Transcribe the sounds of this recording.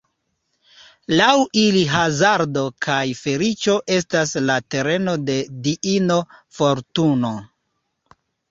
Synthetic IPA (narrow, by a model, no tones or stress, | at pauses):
lawiliɦazaɾdo̞kʰajfe̞ɾit͡ʃo̞ʔe̞staslate̞ɾe̞no̞de̞diʔino̞foɾtuno̞